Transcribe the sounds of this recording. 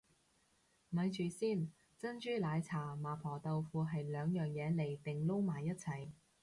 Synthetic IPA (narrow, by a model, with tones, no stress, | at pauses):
mɐ˨˧jt͡ʃyː˨siː˥˩n | t͡sɐ˥nt͡ʃyː˥laː˨˧jt͡sʰaː˨˩maː˨˩pʰɔː˨˩t̪ɐ˨˧wfuː˧ɦɐ˨jlœː˨˧ŋjœː˨˩ŋjɛː˨˧le˨˩jt̪ɪ˨ŋlo˥wmaː˨˩jːɐ˥t̚t͡sʰɐ˨˩j